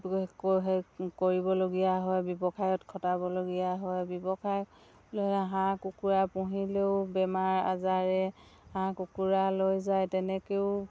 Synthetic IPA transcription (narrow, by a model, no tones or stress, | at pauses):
kɦkoɹibɔloɡijaɦɔjbɔbɔkʰajɔtkʰɔtabɔloɡijaɦɔjbɔbɔkʰaj | lɔaɦãkukuɹapuɦileʊbɛmaɹa̰zaɹɛhãkukuɹalojzajtɛnɛkeʊ